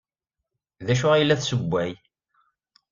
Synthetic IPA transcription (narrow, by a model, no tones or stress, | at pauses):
ðæʃʊʁijəlːæθsəbʷːæj